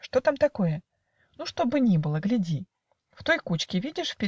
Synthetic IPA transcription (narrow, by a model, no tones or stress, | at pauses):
ʂt̪o̞t̪amt̪ɐko̞jə | nuʂt̪o̞bɨnʲibɨlˠəɡlʲɪdʲi | ft̪o̞jkut͡ɕkʲɪvʲidʲɪʂfʲpʲɪ